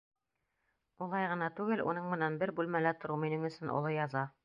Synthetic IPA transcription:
ulˠɑjʁɤ̆nɑt̪ʉɡɘlṵnɤɴmɘ̆nænbɘɾbʉlmælæt̪ŏɾuminɘŋɵ̆sɵnʔo̰lˠɤjɑzɑ

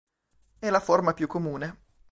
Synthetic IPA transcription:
ɛlaformapjukːomuːne

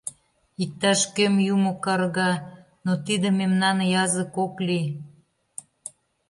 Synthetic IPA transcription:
ik̚t̪ːɑʃkømjumokɑrɣɑ | not̪id̪ə̆memnɑnjɑzə̆kokli

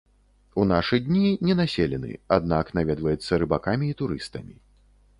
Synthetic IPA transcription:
unaʂɨd̪ʲnʲinʲɛnasʲelʲɛnɨ̰ad̪̚naknavʲɛd̪vɐjɛt̪sːɐɾɨbakamʲiːt̪uɾɨst̪ɐmʲi

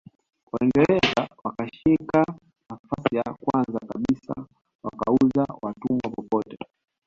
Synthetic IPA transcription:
kwaiŋɡɛlɛzawakaʃika | nafasijakwanzakaɓisa̰ | waka̰uzawatumwapɔpɔtɛ

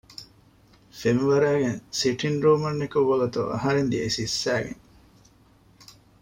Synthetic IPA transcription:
femiʋɐɾæːɡeŋsiʈʰinɾuːmɐnːekuʋːɐɡut̪ṵʔɐ̰ɦɐɾend̪iesisːæːɡḛŋ

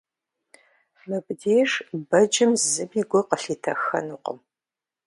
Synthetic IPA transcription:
mɨbdeːʂbɐd͡ʒɪmzɨmiɡʷɔqəɬiːtʰɐxɐ̰nuːqə̰m

